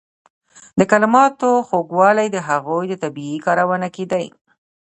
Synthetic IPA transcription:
d̪əkalɪmɑt̪oxoɡwɑlajd̪əɦaɣojd̪ət̪abiikɑɾawanaked̪aj

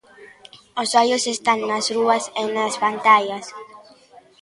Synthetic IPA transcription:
osajosest̪aŋːɐsruɐsenasβant̪aʎɐs

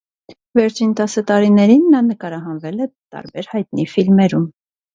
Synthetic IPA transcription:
vɛɾt͡ʃʰint̪ɑsət̪ɑɾinɛɾinːɑnəkɑɾɑɦɑnvɛlɛt̪ɑ̰ɾbɛɾhɑjt̪nifilmɛɾum

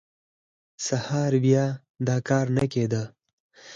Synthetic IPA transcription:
sahɑːɾbja | d̪ɑːkɑːɾnaked̪a

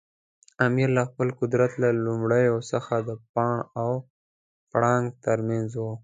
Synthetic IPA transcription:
amiɾlaxpəlqʊd̪ɾat̪lalumɽəjosəxad̪əpɑɳaw | pɽɑŋɡ̚t̪əɾmanzwu

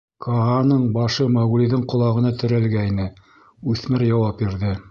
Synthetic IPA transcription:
kʰoɑnɤɴbɑʃɤmɑɣuliðɘɴqŏlˠɑʁɤ̆nɑt̪ɘ̆ɾælɡæinɘ | ʉθmɘɾjɑwɑp̚biɾðɘ

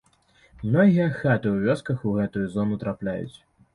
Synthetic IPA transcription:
mnɔɣʲijɐxat̪ɨwvʲɔskɐxuɣɛt̪ujuzɔnut̪ɾaplʲajṵt͡sʲ

